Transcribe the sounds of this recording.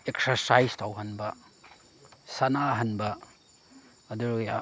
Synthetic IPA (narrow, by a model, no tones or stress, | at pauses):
eksɐɾsajstʰawɦɐnbɐ | sanaɦɐnbɐ | ɐduɾja